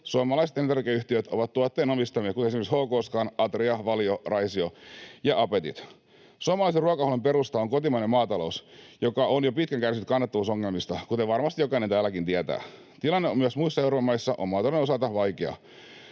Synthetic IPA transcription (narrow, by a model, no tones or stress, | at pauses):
suɑmɑlɑiset̪ent̪ærkiyçt̪iøt̪o̞̰ʋɑt̪t̪uɑt̪ːeːnomist̪ɑmiet̪kut̪eesimekshoːkoːskɑːnɑt̪riɑʋɑljorɑisiojɑʔɑpet̪ḭt̪ | suɑmɑlɑiseruɑkɑhlempeɾust̪ɑoŋkot̪imɑinemɑːt̪ɑlo̞usjo̞kɑʔonjopit̪̚kæŋkærsiyt̪kɑnːɑt̪ːɑʋuːsoŋːelmist̪ɑkut̪eʋʋɑrmɑst̪ijo̞kɑinent̪æːlːˑækint̪iæt̪æ̰ː | t̪ilɑnːeomyæsmuisːɑewɾopɑmɑjsːɑʔo̰mɑːt̪ɑlonenosɑlt̪ɑʋɑjkeɑ̰